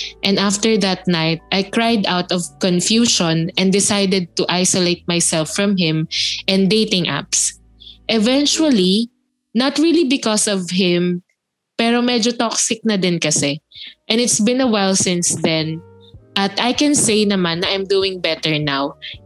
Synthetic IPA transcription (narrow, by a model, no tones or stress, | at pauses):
ʔɛ̃naft̪ɛɹðɐt̪̚najt̪̚ʔajkɹajd̪awt̪ɔv̥kɔ̃nfjuːʃɔ̃nʔɛ̃nd̪ɪsajd̪ɛd̪̚t̪uʔajsoleɪt̪̚majsɛlfːɹɐ̃mɦɪ̃mʔɛ̃nd̪ejt̪ɪ̃ŋʔa̰ps | ʔɛvɛ̃nt͡ʃwɐli | nɐt̪ɹilibɪkɔsɔvɦɪ̃m | pɛːɾomɛd͡ʒot̪ɔksɪk̚nɐd̪ɪnkɐsɛʔɛ̃nɪt̪sbɪ̃nɐwɛlˠsɪ̃nsd̪ɛ̃nʔɐt̪ʔajkɛ̃nsejnɐmãnːɐʔãjmd̪uɪ̃ŋbɛt̪ɛɹnaw